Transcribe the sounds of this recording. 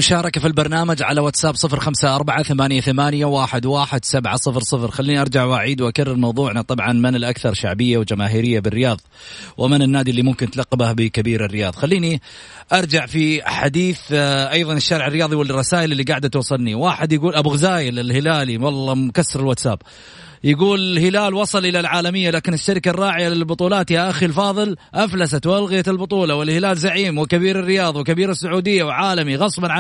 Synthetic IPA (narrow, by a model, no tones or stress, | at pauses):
mʊʃɑːɾˤɑkafilbɑɾˤnaːmad͡ʒʕa̰lawat̪sabsˤɨfɾxamsaʔɑɾˤbaʕaθamaːnjaθamaːnjawaːħɪd̪waːħɪd̪sabʕasˤɨfɾsˤɨfɾxalːiːniʔɑɾˤd͡ʒaʕwaʕiːd̪wʔakarːɪlmɑwðˤuːʕnat̪ˤɑbʕɑnmɪnɪlʔakθɑɾˤʃa̰ʕbɪjːawld͡ʒamaːɦiːɾɪjːabɪrːɪjɑːðˤ | wʔɪmɪnɪnːaːd̪ilːimʊmkɪnt̪laqːbahbɪkabiːɾɪrːɪjɑːðˤxalːiːni | ʔɑɾˤd͡ʒaʕfiħad̪iːθʔɑjðˤɑnɪʃːaːɾʕɪrːɪjɑːðˤiwɪlrˤːɑsaːʔɪlɪlːiɡaːʕd̪at̪wɑsˤːɪlniwaːħɪd̪jaɡuːlʔabʊɣzaːjɪlɪlhɪlaːliwɑlˤːɑmkasːɑɾɪlwaːt̪sa̰ːb̚ | jaɡuːlɪlhɪlaːlwɑsˤɨlʔɪlalʕaːlamɪjːalaːkɪnɪʃːaɾkarˤːɑːʕɪjalɪlbʊt̪ˤuːlɑːt̪jaʔaxilfɑːðˤɨlʔaflasat̪walɣɪjat̪ɪlbʊt̪ˤuːlɑwɪlhɪlaːlzaʕiːmwɪkabiːɾɪrːɪjɑːðˤwɪkabiːɾasːʊʕuːd̪ɪjːawɪʕaːlamiɣɑsˤbɑnʕa